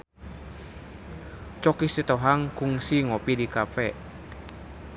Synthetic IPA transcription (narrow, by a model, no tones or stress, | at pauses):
t͡ʃɔkisit̪ɔɦaŋkuŋsiŋɔpidikapɛʔ